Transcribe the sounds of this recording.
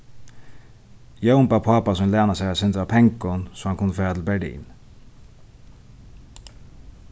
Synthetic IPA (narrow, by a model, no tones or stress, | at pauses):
jœʊmbɑːpʰɑːpasɔmlæːnasɛɪasɪnt̪ɾɑːpʰɛŋkʊnsɔːhɑnkʰʊnːəføːɾat̪ʰɪlbæɖḭːn